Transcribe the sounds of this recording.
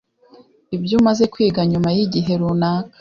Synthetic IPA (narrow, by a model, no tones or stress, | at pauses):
ibjumaze̞kwiːɡaɲumajiɟiɦe̞ɾunaːkḁ